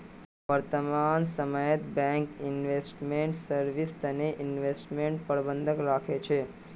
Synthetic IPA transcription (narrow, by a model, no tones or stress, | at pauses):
ʋəɾt̪əmansəməjət̪bɛ̃ŋkɪnʋesʈmeɳʈsəɾʋist̪əneʔɪnʋesʈmeɳʈpəɾbənd̪ʱəkɾakʰet͡ʃʰe